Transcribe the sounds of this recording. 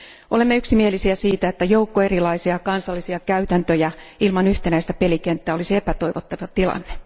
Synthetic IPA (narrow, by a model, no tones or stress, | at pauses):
ʔolemːeyksimielisiæsiːt̪æet̪ːæjoukːoe̞rilɑisiɑkɑnsɑlːisiɑkæyt̪ænt̪øjæilmɑnyht̪enæist̪æpelikent̪ːæːolisiepæt̪oiʋot̪ːɑʋɑt̪ilɑ̰nːe